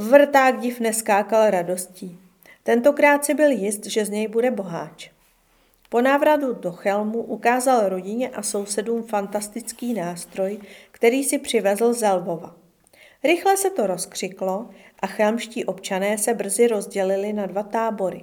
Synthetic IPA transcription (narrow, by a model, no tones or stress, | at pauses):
vr̩t̪aːɡɟɪfnɛskaːkalɾado̞sciː | t̪ɛnt̪o̞kɾaːt̪sɪbɪljɪst̪ʒɛzɲɛjbudɛbo̞ɦaːt͡ʃ | po̞naːvɾadudo̞xɛlmuʔukaːzalɾo̞ɟɪɲɛʔaso̞wsɛduːmfant̪ast̪ɪt͡skiːnaːst̪ɾo̞jkt̪ɛɾiːsɪpr̝̥ɪvɛzl̩zɛlvo̞va̰ | ɾɪxlɛsɛt̪o̞ɾo̞skr̝̥ɪklo̞ | ʔaxɛlmʃciːʔo̞pt͡ʃanɛːsɛbr̩zɪɾo̞zɟɛlɪlɪnadvat̪aːbo̞ɾɪ̰